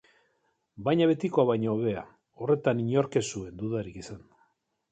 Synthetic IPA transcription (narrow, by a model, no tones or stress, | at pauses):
bajɲaβe̞t̪ikoaβajɲoβe̞a̰ | o̞re̞t̪aniɲo̞ɾke̞sue̞nd̪uðaɾikisand̪